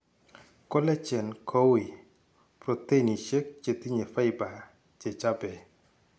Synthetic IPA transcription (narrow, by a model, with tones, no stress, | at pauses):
ko˦lɛ˦t͡ʃɛ˨nkʰo˦wi˨ | pɾo˨t̪e˦˨ni˨ʃe˦k̚t͡ʃe˨t̪i˦ɲe˨fa˦ɪ˦ba˨ | t͡ʃe˨t͡ʃa˦bɛ˨